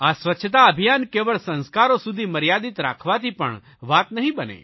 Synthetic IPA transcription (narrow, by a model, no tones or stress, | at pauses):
asʋətːʃʰət̪aəbʱijankeʋəɭsə̃nskaɾosud̪ʱiməɾjad̪it̪ɾa̰kʰʋat̪ipə̰ɳ | ʋaːt̪nəɦĩbənḛ